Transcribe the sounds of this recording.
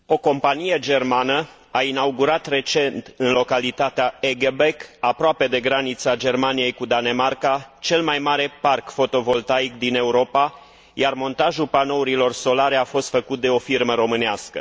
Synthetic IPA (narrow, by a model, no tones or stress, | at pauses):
o̞ko̞mpanije̞d͡ʒe̞rmanə | ainauɡuɾat̪re̞t͡ʃe̞nt̪ɨnlo̞kalit̪at̪eaeɡebekapɾoape̞d̪e̞ɡɾanit̪sad͡ʒe̞rmanije̞jkud̪ane̞markat͡ʃe̞lmajmaɾe̞parkfo̞t̪o̞vo̞lt̪aikd̪ine̞uɾo̞pa | jarmo̞nt̪aʒulpano̞uɾilo̞rso̞laɾeafo̞st̪fəkut̪̚d̪e̞o̞firməɾo̞mɨneaskə̰